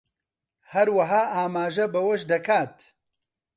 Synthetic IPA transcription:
hɐɾwɐɦaːʔaːmaːʒɐbɐwɐʃd̪ɐkʰaːt̪

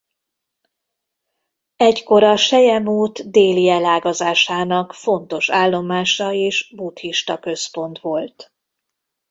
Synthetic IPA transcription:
ɛcko̞ɾɒʃɛjɛmuːt̪d̪eːliɛlaːɡɒzaːʃaːnɒkfo̞nt̪o̞ʃaːlːo̞maːʃɒeːʃbut̪hiʃt̪ɒkø̞spo̞nt̪ʋo̞lt̪

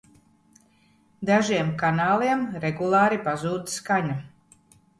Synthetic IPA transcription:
d̪aʒiɛmkanaːlˠiɛmɾɛɡulˠaːɾipazuːd̪skaɲa

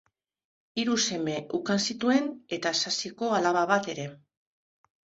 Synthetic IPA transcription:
iɾuse̞me̞ʔukansit̪ue̞ne̞t̪asasiko̞alaβaβat̪e̞ɾe̞

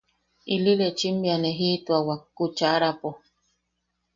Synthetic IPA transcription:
ililet͡ʃimbianeɦit̪uawakːut͡ʃaɾapo

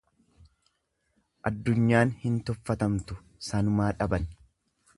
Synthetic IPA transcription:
ʔɐd̪ːʊɲːaːnhɪnt̪ɔfːɐt̪ɐmt̪ʊ | sɐnʊmaːᶑɐbɐn

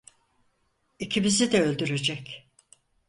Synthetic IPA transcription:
icʰibizid̪ɛølʲd̪yɾe̞d͡ʒɛc

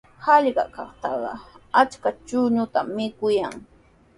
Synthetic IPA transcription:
hɑʎɢɑ̰kɑχt̪ɑɢɑ̰at͡ʃkat͡ʃʊɲʊt̪amːɪkʊjaŋ

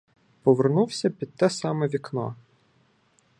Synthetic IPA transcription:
pɔʋernuwsʲɐpʲid̪̚t̪ɛsɑmɛʋʲiknɔ̰

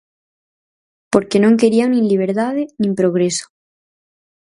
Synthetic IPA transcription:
po̞ɾkenõŋkeɾiaŋnĩnliβ̞eɾt̪aðenĩmpɾoɣ̞ɾeso̥

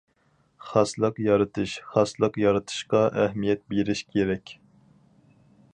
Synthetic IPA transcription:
χɑslˠəqjɑɾɨt̪ʰɨʃχɑslˠəqjɑɾɨt̪ʰɨ̥ʃqɑʔɛhmijɛt̪̚beɾɪʃkʲʰeɾɛkʲ

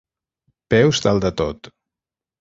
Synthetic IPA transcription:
pɛwzd̪alˠd̪ət̪ot̪

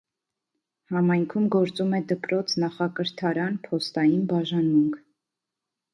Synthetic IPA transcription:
hɑmɑjŋkʰumɡɔɾt͡sumɛd̪əpɾɔt͡sʰnɑχɑkəɾt̪ʰɑɾɑnpʰɔst̪ɑjinbɑʒɑnmuŋkʰ

